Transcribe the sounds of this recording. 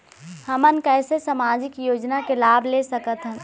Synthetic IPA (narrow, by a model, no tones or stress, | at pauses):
həmənkɛːsesamaːd͡ʒɪkjoːd͡ʒnakelaːblesəkət̪ɦɛ̃